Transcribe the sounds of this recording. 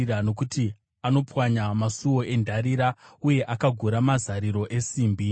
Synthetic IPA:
ɾano̞kuti | ano̞pwaɲamasuwo̞ʔe̞ndʱaɾiɾauje̞ʔakaɡʱuɾamazaɾiɾo̞ʔe̞siːmbi

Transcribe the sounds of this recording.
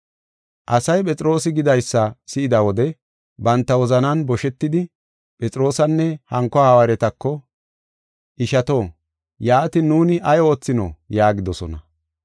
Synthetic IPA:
ʔɐsɐjpʼɛt͡sʼɾo̞ːsɪɡɪd̪ɐjsːɐsɪɪd̪ɐwɔd̪ɛ | bɐnt̪ːɐwɔzɐnɐnbɔʃɛt̪ːɪd̪ɪ | pʼɛt͡sʼɾo̞ːsɐnːɛhɐŋkːɔawɐɾɛt̪ɐkːɔ | ʔɪʃɐt̪o̞ː | jaːt̪ɪnuːnɪʔɐjo̞ːt͡sːɪno̰jaːɡɪd̪ɔsɔ̰nɐ

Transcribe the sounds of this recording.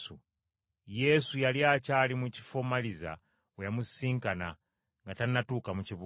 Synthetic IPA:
u | jesujalijacaːlimuci̥fomaliza̰ | wejamusiːŋkana̰ | ŋɡatanatuːkamuciβu

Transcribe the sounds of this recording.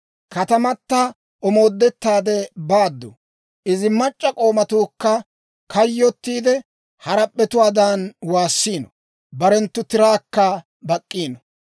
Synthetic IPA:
kɐt̪ɐmɐt̪ːɐ | ʔɔmo̞ːd̪ːɛt̪ːaːd̪ɛbaːd̪ːʊ̰ | ʔɪzɪmɐt͡ʃʼːɐkʼo̞ːmɐt̪uːkːɐ | kʰɐjːɔt̪ːiːd̪ɛ | hɐɾɐpʼːɛt̪ʊwaːd̪anwaːsːiːnɔ | bɐɾɛnt̪ːʊt̪ɪɾaːkːɐ | bɐkʼːiːnɔ

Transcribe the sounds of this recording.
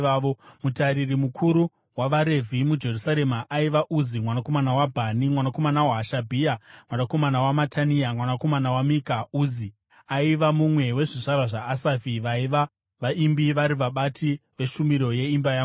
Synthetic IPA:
aomutaɾirimukʰuɾu | waʋaɾe̞vʱimud͡ʒe̞rusaɾe̞maʔaiʋaʔuzimwanako̞manawabʱanimwanako̞manawaːʃabʱiamwanako̞manawamatʰaniamwanako̞manawamikauzi | aiʋamumwe̞we̞ʐiʐaɾaʐaːsafiʋaiʋa | ʋaʔimbiʋaɾiʋaɓatiʋe̞ʃumiɾo̞je̞imbajaːɡu

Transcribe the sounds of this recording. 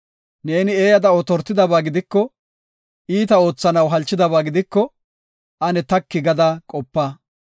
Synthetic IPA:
ne̞ːnɪeːjɐd̪ɐɔt̪ɔɾt̪ːɪd̪ɐbaːɡɪd̪ɪkːɔ | ʔiːt̪ɐo̞ːt͡sːɐnɐwɦɐlt͡ʃːɪd̪ɐbaːɡɪd̪ɪkːɔ | ʔɐnɛt̪ɐkːɪɡɐd̪aːkʼɔpːaː

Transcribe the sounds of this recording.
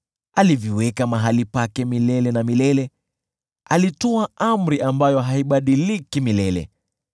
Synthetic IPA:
alivjiwɛkamaɦalipakɛmilɛlɛnamilɛlɛ | alitɔaʔam̩ɾiʔambajɔɦaiɓaɗilikimilɛlɛ̰

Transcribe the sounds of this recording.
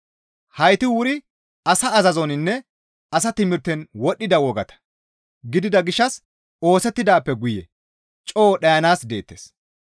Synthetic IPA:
hɐjt̪ɪwʊɾɪ | ɐsɐːzɐzɔnɪnːɛ | ɐs̬ɐt̪ɪmɪɾt̪ːɛnwɔɗːɪd̪ɐwɔɡɐt̪ɐ̥ | ɡɪd̪ɪd̪ɐɡɪʃːɐs | o̞ːsɛt̪ːɪd̪aːpːɛɡʊjɛ̰ | t͡ʃʼoːɗɐjɐnaːsd̪e̞ːt̪ːḛːs

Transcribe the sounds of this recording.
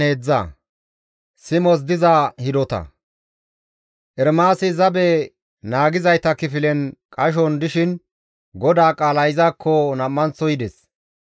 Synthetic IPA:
eːd͡zːɐ̰ | sɪmɔs̬d̪ɪzaːhɪd̪ɔt̪ɐ̰ | ʔɛɾmaːsɪzɐbɛ | naːɡɪzɐjt̪ɐkɪfɪlɛnkʼɐʃ̬ɔnd̪ɪʃɪn | ɡɔd̪aːkʼaːlɐjɪzaːkːɔnɐmːɐnt͡sːɔjɪd̪ɛs

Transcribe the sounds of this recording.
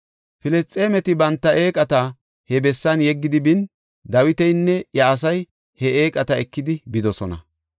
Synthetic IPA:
fɪlɛst͡sʼeːmɛt̪ɪbɐnt̪ːɐʔe̞ːkʼɐt̪ɐ | hɛbɛsːɐnjɛɡːɪd̪ɪbɪn | d̪ɐwɪt̪ɛjnːɛjɐːs̬ɐj | hɛeːkʼɐt̪ɐɛkːɪd̪ɪbɪd̪ɔsɔnɐ̰

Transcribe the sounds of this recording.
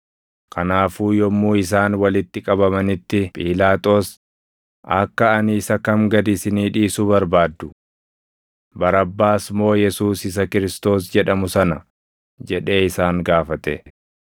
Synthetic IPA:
kʰɐnaːfuːjɔmːuːɪs̬aːnwɐlɪt̪ːɪkʼɐbɐmɐnɪt̪ːɪpʼiːlaːt̪ʼo̞ːs | ʔɐkːɐːniːsɐkɐmɡɐd̪ɪsɪniːᶑiːsubɐɾbaːd̪ːʊ | bɐɾɐbːaːsmo̞ːjɛsuːsɪs̬ɐkɪɾɪst̪o̞ːs̬d͡ʒɛᶑɐmʊsɐnɐ | d͡ʒɛᶑe̞ːɪsaːŋɡaːfɐt̪ɛ̰

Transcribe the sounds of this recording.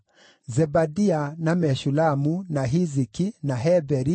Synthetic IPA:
zɛbadianamɛʃulamunaɦizikinaɦɛbɛɾi

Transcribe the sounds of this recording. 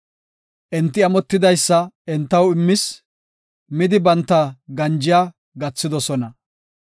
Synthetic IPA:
ʔɛnt̪ːɪɐmɔt̪ːɪd̪ɐjsːɐɛnt̪ːɐwɪmːɪs | mɪd̪ɪbɐnt̪ːɐɡɐnd͡ʒɪjaː | ɡɐt͡sːɪd̪ɔsɔnɐ

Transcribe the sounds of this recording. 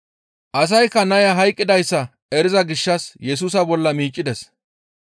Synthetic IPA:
ʔɐs̬ɐjkːɐnɐjɐɦɐjkʼːɪd̪ɐjsːɐ | ɛɾɪzɐɡɪʃːɐsjɛs̬uːs̬ɐbɔlːɐmiːt͡ʃʼːɪd̪ɛs

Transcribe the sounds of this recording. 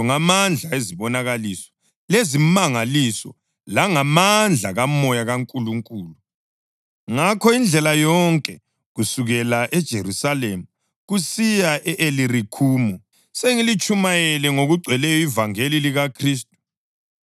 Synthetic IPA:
ɔŋamand͡ɮʱaeziβɔnaɣalisɔ̥ | lezimaŋalisɔ̰ | laŋamand͡ɮʱaɣamɔjaɣaŋkʼuluŋkʼuːlu | ŋakʰɔind͡ɮʱɛlajɔŋkʼɛ | ɣusuɣɛlaʔɛd̥ʒ̥ʱerusalemu | ɣusijaʔɛʔelirikʰuːmu | seŋilit͡ʃʼumajɛlɛŋoɣuɡ͡ǀʱwɛlɛjɔivaŋeliliɣakʰriːs̬tʼu̥

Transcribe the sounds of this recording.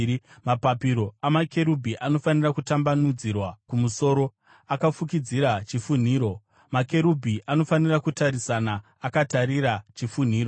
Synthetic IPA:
mapapiɾo̞amakʰe̞ɾubʱiʔano̞fanirakutambanud͡zirwakumuso̞ːɾo̞ | akafukid͡ziɾat͡ʃifun̤iːɾo̞ | make̞ɾubʱiʔano̞fanirakutaɾisanaː | kataɾiɾat͡ʃifun̤iːro

